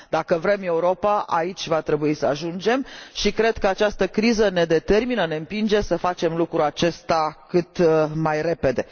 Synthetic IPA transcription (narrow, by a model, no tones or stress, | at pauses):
d̪akəvɾe̞me̞uɾo̞paʔa̰it͡ʃʲvat̪ɾe̞buisəaʒund͡ʒe̞mʃikɾe̞d̪kəat͡ʃast̪əkɾizəne̞d̪e̞t̪e̞rminəne̞ɨmpind͡ʒe̞səfat͡ʃe̞mlukɾuat͡ʃe̞st̪akɨt̪majre̞pe̞d̪e̞